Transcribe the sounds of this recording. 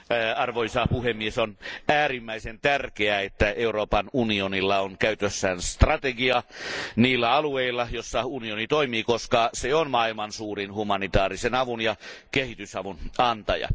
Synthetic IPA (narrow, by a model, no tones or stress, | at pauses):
ɑrʋoisɑpuhemːiesonæːrimːæisent̪ærkeæet̪ːæeuɾoːpɑnunionilːɑonkæyt̪øsːæːnst̪rɑt̪eɡiɑniːlːæɑlueilːɑjosːɑunionit̪oimiːkoskɑseonmɑilmɑnsuːrinhumɑnit̪ɑːrisenɑʋunjɑkehit̪ysɑʋunɑnt̪ɑjɑ̰